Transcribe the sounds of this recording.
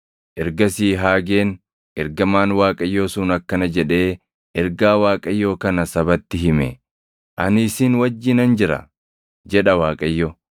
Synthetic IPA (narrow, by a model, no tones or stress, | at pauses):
ʔɛɾɡɐsiːɦaːɡe̞ːn | ʔɛɾɡɐmaːnwaːkʼɐjːoːsuːnɐkːɐnɐd͡ʒɛᶑe̞ː | ʔɛɾɡaːwaːkʼɐjːo̞ːkɐnɐsɐbɐt̪ːɪɦɪmɛ̰ | ʔɐnɪsɪnwɐd͡ʒːɪnɐnd͡ʒɪɾɐ̰ | d͡ʒɛᶑɐwaːkʼɐjːɔ